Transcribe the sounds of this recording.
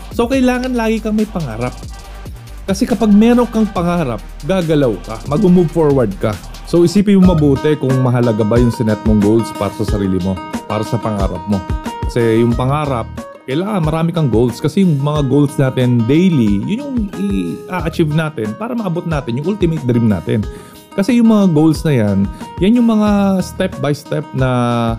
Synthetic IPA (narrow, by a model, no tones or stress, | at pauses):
so̞wkɐɪlaːŋɐnlaːɡɪkɐŋmɐjpɐŋaːɾɐp̚ | kɐsɛkɐpaɡ̚mɛːɾo̞ŋkɐŋpɐŋaːɾɐp̚ɡaːɡɐlawkɐmɐɡʊmubfoɹwɐɹd̪̚kɐ | sowʔɪsiːpɪnmomɐbuːt̪ɛkʊŋmɐɦɐlɐɡabajʊŋsɪnɛt̪̚moŋɡowld̪spa̰ːɾɐsɐsɐɾiːlɪmo̞pa̰ːɾɐsɐpɐŋa̰ːɾɐ̰p̚mo̞kɐsɛjʊŋpɐŋaːɾɐp̚ | kɐjlaːŋɐnmɐɾaːmɪkɐŋɡowld̪skɐsɛjʊŋmɐŋaɡowld̪snaːt̪ɪnd̪ejlijʊnjʊŋɪʔaʔɐt͡ʃivnaːt̪ɪnpaːɾɐmɐʔɐbot̪̚naːt̪ɪnjʊŋʔult̪ɪmet̪̚d̪ɾimna̰ːt̪ɛ̰n | kɐsɛjʊŋmɐŋaɡowld̪snɐjanjanjʊŋmɐŋast̪ɛp̚bɐjst̪ɛp̚nɐ